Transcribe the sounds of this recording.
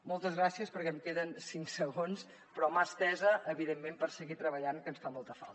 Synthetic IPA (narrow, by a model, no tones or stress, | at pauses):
molˠt̪əzɣɾasiəspəɾkɛəmkeðənsiŋksəɣons | pɾɔmast̪ɛzəʔəβiðemːempəɾsəɣit̪ɾəβəʎaŋkənsfamolˠt̪əfa̰lˠt̪ə